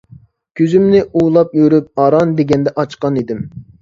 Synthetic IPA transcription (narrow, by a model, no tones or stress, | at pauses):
kʲʰøzymnɪʔulˠɑpjøɾyp̚ɑɾɑnd̪eɡʲɛnd̪ɛʔɑt͡ʃqɑnid̪ɪm